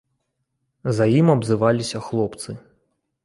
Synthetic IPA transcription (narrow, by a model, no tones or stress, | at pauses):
zajimɐbzɨvalʲisʲɐxlˠɔpt̪sɨ